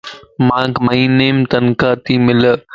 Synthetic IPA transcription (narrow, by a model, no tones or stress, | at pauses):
mãːkmɐĩːneːmt̪ɐnkaːt̪imɪl